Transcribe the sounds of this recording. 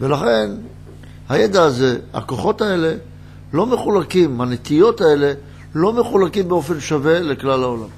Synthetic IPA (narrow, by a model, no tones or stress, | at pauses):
ve̞laχe̞n | hajed̪aːze̞a̰koχo̞tae̞le̞ | lo̞me̞χulakimhanet̪ijo̞tae̞le̞ | lo̞me̞χulakimbeo̞fe̞nʃave̞leklalhaolam